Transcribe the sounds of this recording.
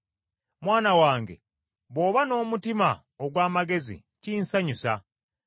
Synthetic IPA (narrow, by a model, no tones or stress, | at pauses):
mwaːnawaːŋɡe̞̰ | βo̞ːβano̞ːmutima | oɡwaːmaɡe̞zḭ | ciːnsaɲusa̰